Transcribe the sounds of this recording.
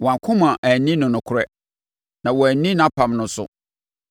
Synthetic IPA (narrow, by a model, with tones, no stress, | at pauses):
wɔ̃˨a˨kʰʊ̃˦mã˨ʔæ˨nĩ˦nʊ̃˨nʊ̃˨kʰʊ˦ɾɛ˦ | nã˨wɔ˨æ˨nĩ˦ñã˦pʰã˨mnʊ̃˨sʊ̰˦